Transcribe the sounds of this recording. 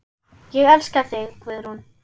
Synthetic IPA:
jɛɣɛlskaθɪɣkvɪðɾ̥un

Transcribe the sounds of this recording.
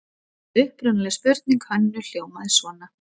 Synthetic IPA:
ʏhpɾʏnalɛspʏɾt̪̚niŋkhanːʏl̥joːwmaðɪsvɔːna

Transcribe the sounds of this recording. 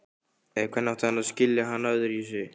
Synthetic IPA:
ɛðkʰvɛnːaft̪aanaðscɪljaɦanːaðʏɾjisʏ

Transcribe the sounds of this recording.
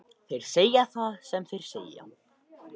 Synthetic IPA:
θejɾ̥seːjaθaðsɛmθejɾ̥sḛːja̰

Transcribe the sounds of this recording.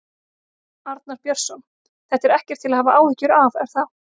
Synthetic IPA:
aɾt̪naɾpjœɾ̥sɔn | θɛht̪ːɛɾɛhcɛɾ̥t̪ʰɪlahaːvaʔaːwhɪcːʏɾavɛɾ̥θa

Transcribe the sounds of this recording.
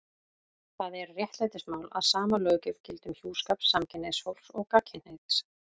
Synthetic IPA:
θaðɛɾrjɛht̪laːjt̪ɪsmaːwla̰ðsaːmalœːɥcʏv̥cɪlt̪ʏmçjuːskapsːamcʰɪnːeshowlsɔɣkacʰɪn̥hejt̪s

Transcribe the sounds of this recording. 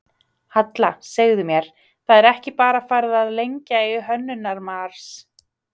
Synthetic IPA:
hat̪laseɣðʏmjɛɾ̥ | θaðɛɾɛhcɪpaːɾafaːjɾɪðaðlejɲcaiɦœnːʏnaɾmaɾ̥s

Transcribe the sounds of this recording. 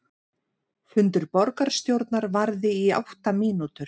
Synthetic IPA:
fʏnt̪ʏɾpɔɾkaɾ̥st̪jowɾt̪naɾvaɾðɪia̰wht̪amiːnut̪ʏɾ̥

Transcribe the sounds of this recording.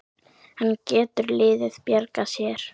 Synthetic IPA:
hanːcɛːt̪ʏɾlɪːðɪðpjaɾkasjɛɾ̥

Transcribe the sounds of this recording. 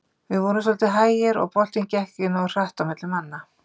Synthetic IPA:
vɪðvɔːnɪsɔlt̪ɪɦaːjɪɾɔ̰ɣpɔl̥t̪incɛhkɪnɔr̥r̥aht̪awmɪt̪lɪmanːa

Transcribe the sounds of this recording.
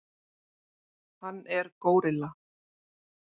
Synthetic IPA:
hanːɛɾkoːwɾɪla

